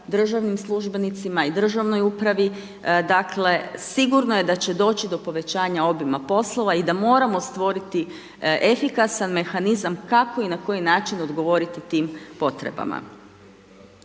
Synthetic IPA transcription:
d̪r̩ʒaʋnimslˠuʒbe̞nit̪simaid̪r̩ʒaʋno̞jupɾaʋi | d̪akle̞siɡuɾnoje̞d̪at͡ɕe̞d̪o̞ːt͡ɕid̪o̞po̞ʋe̞t͡ɕaːɲao̞bimapo̞slˠo̞ʋaid̪amo̞ːɾamo̞st̪ʋo̞ɾit̪i | ʔefikasanme̞xanizamkako̞inako̞jinaːt͡ʃino̞d̪ɡo̞ʋo̞ɾit̪it̪iːmpo̞t̪ɾḛba̰ma̰

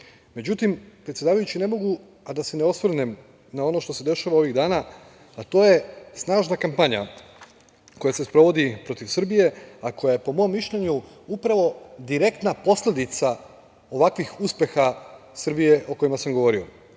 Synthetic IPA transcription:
me̞d͡ʑut̪impɾet̪sʲjd̪aːʋajut͡ɕine̞mo̞ɡu | ad̪ase̞neo̞sʋr̩nem | nao̞no̞ʃt̪o̞se̞d̪e̞ʃaʋao̞ʋiɣd̪aːnaː | t̪o̞ːje̞snaːʒnakampaɲa̰ | ko̞jase̞spɾo̞ʋo̞d̪ipɾo̞t̪iʋsr̩bije̞ako̞jaje̞po̞mo̞mːiʃʎeɲu | upɾaʋo̞d̪iɾe̞kt̪napo̞slʲe̞d̪it̪sa | o̞ʋakʋixuspje̞xasr̩bije̞ʔo̞ko̞imasamɡo̞ʋo̞ɾio̞̰

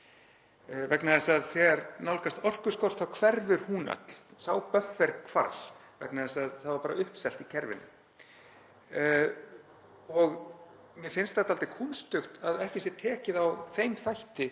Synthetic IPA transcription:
vɛknaðɛsaðθɛɣaɾnawlkast̪ɔr̥kʏ̥skɔr̥t̪θawkʰvɛɾðʏɾ̥huːna̰t̪l̥saːwpœfːɛɾkʰva̰ɾl̥ | vɛ̰knaðɛsaðθaðvaɾpaːɾaʏhpsɛl̥t̪icʰɛɾvɪ̰nʏ̰ | ɔɣ | mjɛfɪnst̪θat̪alt̪ɪkʰunst̪ʏxt̪aðɛhcɪsjɛt̪ʰɛːcɪðawθejmθajht̪ɪ

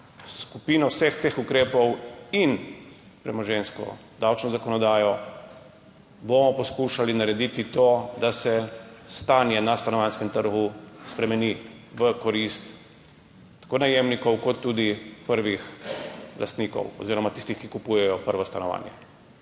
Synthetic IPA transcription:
skupiːnɔwsext̪eːxukɾeːpɔwin | pɾɛmɔʒenskɔ̰d̪awt͡ʃnɔzakɔnɔd̪aːjɔ | bomɔpɔskuːʃalinaɾɛd̪it̪it̪oːd̪asɛst̪aːnjɛnast̪anɔʋanskɛmt̪əɾɡuspɾɛmɛniʋəkɔɾist̪ː | ḁkoːnajemnikɔwkɔt̪ːud̪ipəɾʋix | lʔa̰st̪niːkɔ̰wɔ̰ziːɾɔmat̪ist̪ixkikupuːjɛjɔpəɾʋɔst̪anɔʋa̰ːnjɛ̰

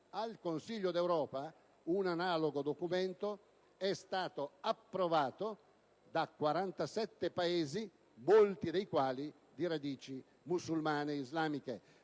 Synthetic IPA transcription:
alkonsiʎːod̪ɛwɾɔːpa | unanaːloɡod̪okumɛnt̪o | ɛst̪aːt̪oapːɾovaːt̪o | d̪akwaɾant̪asɛt̪ːepaeːzi | molt̪id̪ejkwaːli | d̪iɾad̪iːt͡ʃi | musulmaːneizlaːmike

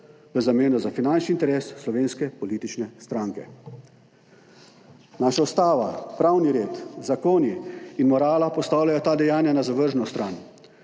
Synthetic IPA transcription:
ʋəzameːnɔzafinant͡ʃniːnt̪ɛɾeːsːlɔʋeːnskɛpɔliːt̪it͡ʃnɛst̪ɾaːŋkɛ̰ | naːʃaust̪aːʋapɾawniɾeːt̪zakoːniinmɔɾaːlapɔst̪aːwlʲjajɔt̪aːd̪ɛjaːnjanazaʋəɾʒnɔst̪ɾaːn

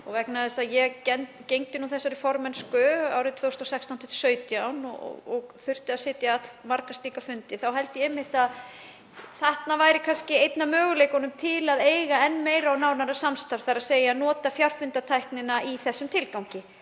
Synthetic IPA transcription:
ɔɣvɛhknaðɪsaðjɛɣcɛnt̪cejŋt̪ɪnuθɛsːaɾɪfɔɾmɛnskʏa̰ːwɾɪt̪ʰvœwst̪ɔsɛkst̪awnt̪ʰːʏ̥t̪sœːɥt̪jawnɔ̰ɔ̰ɣɔɣθʏr̥t̪ɪaðsɪːt̪jaðmaɾkast̪liːkafʏnt̪ɪθawɦɛlt̪jɛɛmːɪht̪að | θɛht̪navaːjɾɪkʰanscɪejt̪namœːɣʏlejkɔnʏmt̪ʰɪlaðeːjɣaɛnmeːjɾawnaːwnaɾasamst̪aɾ̥θaɾaðseːjanɔːt̪afjar̥fʏnt̪at̪ʰajhknɪnaiθɛsːʏmt̪ʰɪlkawɲcɪ

